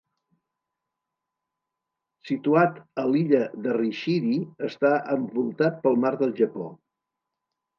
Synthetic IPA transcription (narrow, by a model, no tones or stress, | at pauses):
sit̪uat̪əliʎəðəriʃiɾiəst̪aəɱbulˠt̪at̪̚pəlˠmaɾðəlˠʒəpo̰